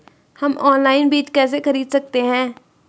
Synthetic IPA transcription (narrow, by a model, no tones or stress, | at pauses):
hɐmɔːnlaːɪnbiːt͡ʃkɛːs̬exɐɾiːd̪sɐk̚t̪eɦɛ̃ː